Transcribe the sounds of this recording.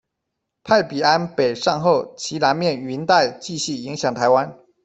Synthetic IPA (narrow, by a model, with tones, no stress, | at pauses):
pʰa˥˩ɪpi˨˩a˦npe˨˩ɪʂɑ˥˧ŋxo˥˩ʊt͡ɕʰi˧˥na˧˥nmjɛ˥˩ny˧˥nt̪a˥˧ɪt͡ɕi˥˧ɕy˥˩i˧˥ŋɕjɑ˨˩ŋt̪ʰa˧˥ɪwa˦n